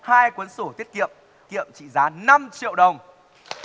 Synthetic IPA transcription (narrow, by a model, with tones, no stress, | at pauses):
haː˧jkwə˨˦nsu˧˩t̪ʰi˦˥ət̚kḭ˧˨əm | kḭ˧˨əmt͡ɕḭ˧˨zaː˨˦na˧mt͡ɕḭ˧˨əwɗə˨˩wŋ͡m